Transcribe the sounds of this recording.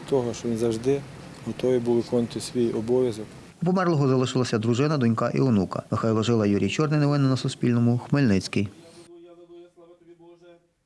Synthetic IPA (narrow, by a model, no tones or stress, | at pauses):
t̪ɔɦɔʃt͡ʃɔʋʲinzɐwʒd̪ɪ | ɦɔt̪ɔʋʲibulˠɪkɔnt̪ɪsʲʋʲijɔbɔʋʲjɐzɔk | upɔmɛrlˠɔɦɔzɐlˠɪʃɪlˠɐsʲɐd̪ɾʊʒɪnɐd̪ɔnʲkɑʔḭwnukɐ̰mɪxɑjlˠɔʒɪlˠɐjuɾʲijt͡ʃɔrnɪjnɔʋɪnɪnɐsʊsʲpʲilʲnɔmʊxmɪlʲnɪt͡sʲkɪj